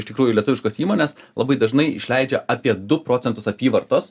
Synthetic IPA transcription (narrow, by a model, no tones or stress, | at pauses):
ɪʃt̪ʲɪkɾuːjʊlʲɛt̪ʊʋɪʃkoːsiːmoːnʲeːslˠɐbɐɪd̪ɐʒnɐɪɪ̰ʃʲlʲɛɪd͡ʒʲɛʔɑpʲiɛd̪ʊpɾoːt͡s̪ʲɛnt̪ʊsɐpʲiːʋɐɾt̪oːs